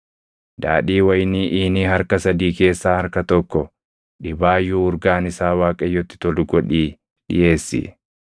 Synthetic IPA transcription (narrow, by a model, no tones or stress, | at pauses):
d̪̥a̰ːᶑiːwɐjniːʔiːniːɦɐɾkɐsɐd̪iːke̞ːsːaːhɐɾkɐt̪ɔkːɔ | ɗɪbaːjːuʊɾɡaːnɪsaːwaːkʼɐjːɔt̪ːɪ̥t̪ɔlʊɡɔᶑiː | ɗɪ̰je̞ːsːɪ̰